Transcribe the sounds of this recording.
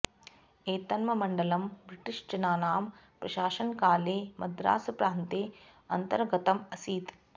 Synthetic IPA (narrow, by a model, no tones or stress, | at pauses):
eːt̪ɐnmɐmɐɳɖɐlɐmbɾiʈiʂd͡ʒɐnaːnaːm | pɾɐʃaːʃɐnkaːleːmɐd̪ɾa̰ːsɐpɾaːnt̪eː | ɐ̰nt̪ɐɾɡɐt̪ɐmɐsiːt̪